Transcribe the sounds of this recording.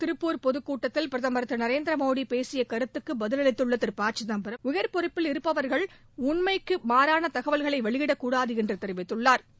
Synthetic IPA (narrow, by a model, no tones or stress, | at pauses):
t̪ɪɾɯpːuːɾpɔðɯkːuːʈːɐt̪ːɪlpɪɾɐðɐmbɐɾɐt̪ːɯnɐɾeːnd̪ɾɐmoːɽipeːsɪjɐkɐɾɯt̪ːɯkːɯbɐðɪlɐlɪt̪ːɯɭːɐt̪ːɪɾpaːʈt͡ʃːɪnɐmbɐɾɐʊjɐɾpɔɾɪpːɪlɪɾɯpːɐʋɐɾɣɐɭ | ʊɳmɐɪkːɯmaːɾaːnɐt̪ɐɣɐʋɐlɣɐɭɐɪʋɐɭɪɣɪɽɐkːuːɽaːðɯɪndrɯt̪ɛɾɯʋɪt̪ːɯɭːaːɾ